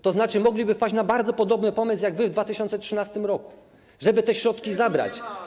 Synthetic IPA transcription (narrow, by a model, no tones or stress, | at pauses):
t̪ɔznat͡ʂɘmɔɡlʲibɘfpad͡ʑt͡ɕnabaɾd̪zɔpɔd̪ɔbnɘpɔmɘs̬jaɡvɘvd̪vat̪ɘɕɔnsɛtt͡ʂʂɘnast̪ɘmɾɔku̥ | ʐɛbɘt̪ɛɕɾɔt̪kʲizabɾa̰t͡ɕ